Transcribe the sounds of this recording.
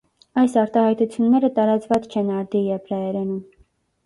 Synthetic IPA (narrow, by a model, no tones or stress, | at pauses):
ɑjsɑɾt̪ɑhɑjt̪ut͡sʰjunːɛɾət̪ɑɾɑt͡svɑt͡st͡ʃʰɛnɑɾd̪ijɛpʰɾɑjɛɾɛnum